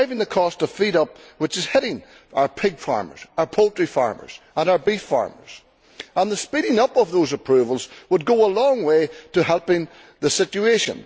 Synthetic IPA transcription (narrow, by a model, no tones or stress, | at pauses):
aɪvɪ̃ŋðəkʰɔstʰə̥fiɾʌp̚wɨt͡ʃɨz̥hɛɾɪ̃ŋ | aʊə˞pʰɪɡ̥fa̰ɹmə̰˞z̥aʊə˞pʰolˠtɹ̥ifa̰ɹmə̰˞z̥ | ə̃naʊə˞bifa̰ɹmə̰˞z̥ | ə̃nðəspiɾɪ̃ŋʌpʌvðozəpʰɹ̥ʉvəlˠzwəd̚ɡoəlɔ̃ŋweɾəɦɛlˠpɪ̃ŋ | ðəsɪt͡ʃʉeʃə̰̃n